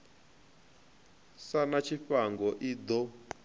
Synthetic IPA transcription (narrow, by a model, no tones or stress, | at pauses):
sanat͡ʃʰiɸaŋɡɔʔid̪ɔ